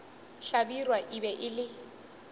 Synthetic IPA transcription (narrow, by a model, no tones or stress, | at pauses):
ɬabirwaʔibɛʔɪlɪ